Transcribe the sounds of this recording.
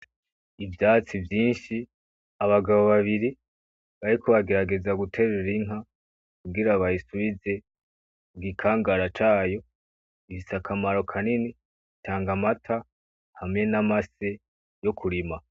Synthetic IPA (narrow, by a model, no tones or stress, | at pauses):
ivjaːt͡sivjiːnʃi | aβaɡaβo̞βaβiɾi | βaɾiko̞βaɡe̞ɾaɡe̞zaɡutʰe̞ɾeɾiŋɦa | kuɡiɾaβajisuβize̞ | ɡikʰaːŋɡaɾat͡ʃaːjo̞ | ifisakʰamaɾo̞kʰanini | itʰaːŋɡamatʰa | hamŋe̞namase | jo̞kʰuɾima